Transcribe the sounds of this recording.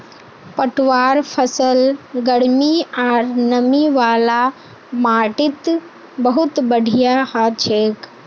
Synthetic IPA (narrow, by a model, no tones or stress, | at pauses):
pəʈʋaːɾpʰɐsəlɡɐɽmiaːɾnɐmiʋaːla | maːʈɪt̪ | bɐɦʊt̪bɐɖʱiijahaːt͡ʃʰeːk